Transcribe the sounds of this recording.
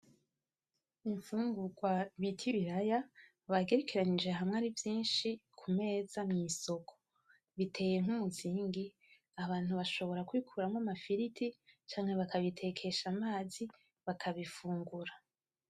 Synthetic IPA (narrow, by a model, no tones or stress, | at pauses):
iɱfuːŋɡuɡwaβitʰiβiɾaja | βaɡe̞ɾekiɾaɲid͡ʒe̞ɦamŋaːɾivjiːnʃikʰume̞ːzamŋiːso̞kʰo̥ | βitʰe̞ːje̞ŋhumuziːŋɡi | aβaːn̥huβaʃo̞βo̞ɾakwikʰuɾamŋamafiɾitʰit͡ʃaːŋ̥he̞βakaβitʰe̞kʰe̞ʃamaːzi | βakʰaβifuːŋɡuɾa